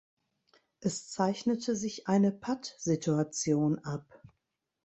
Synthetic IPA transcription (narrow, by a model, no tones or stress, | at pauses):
ʔɛst͡saɪçnətʰəzɪçʔaɪnəpʰatz̥ɪtuat͡sjoːnʔap